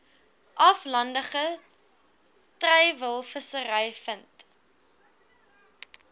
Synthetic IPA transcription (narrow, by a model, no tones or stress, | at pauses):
ʔɐflɐndəχə | trɛjvəlˠfəsəɾɛjfənt